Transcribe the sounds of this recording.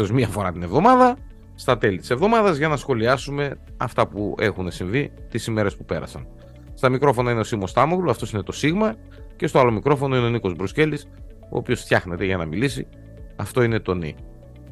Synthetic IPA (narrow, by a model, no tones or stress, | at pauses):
ozmiɐfo̞ɾɐt̪ine̞vðo̞mɐðɐ | st̪ɐt̪e̞lit̪i̥se̞vðo̞mɐðɐzʝɐnɐsxo̞liɐsume̞ | ɐ̰ft̪ɐpue̞xune̞siɱvit̪isime̞ɾe̞spupe̞ɾɐ̰sɐ̰n | st̪ɐmikɾo̞fo̞nɐineosiɣmo̞st̪ɐmoɣloɐft̪o̞sine̞t̪o̞siɣmɐ | ce̞st̪oɐlo̞mikɾo̞fo̞no̞ino̞niko̞zbɾusce̞lis | o̞̰ːpio̞sθçɐxne̞t̪e̞ʝɐnɐmilisi | ɐft̪o̞ine̞t̪o̞nḭ